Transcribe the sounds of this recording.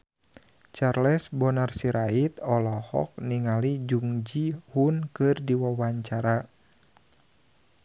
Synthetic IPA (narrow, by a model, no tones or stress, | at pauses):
t͡ʃarlɛsbɔnarsiɾait̪̚ɔlɔhɔ̰k̚niŋalid͡ʒuŋd͡ʒihunkɨrdiwawaɲt͡ʃaɾa